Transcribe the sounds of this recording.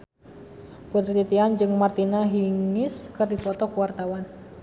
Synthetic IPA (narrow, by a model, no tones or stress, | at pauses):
put̪ɾit̪it̪iand͡ʒɨŋmart̪inaɦiŋɪskɨrdifɔt̪ɔkuwart̪awan